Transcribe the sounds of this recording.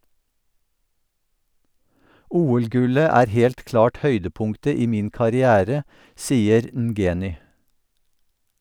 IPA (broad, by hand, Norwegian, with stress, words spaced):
ˈʔuːɛlˌɡʉlə ˈæːɾ ˈhɛlt ˈklɑːʈ ˈhœʏdəˌpʊŋktə ˈiː ˈmiːn kɑɾɪˈæːɾə ˈsiːəɾ n̩ˈɡeːnʏ